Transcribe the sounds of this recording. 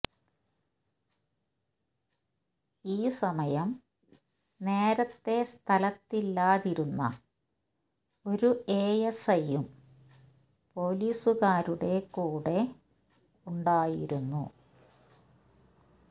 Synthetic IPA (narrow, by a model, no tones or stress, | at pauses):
iːsɐmɐjɐm | ne̞ːɾɐt̪ːe̞st̪ʰɐlɐt̪ːilːaːðiɾunːɐ̰ | o̞ɾueːjɐsɐjum | po̞ːliːsuɣaːɾuɽe̞kuːɽe̞ | uɳɖaːjiɾunːṵ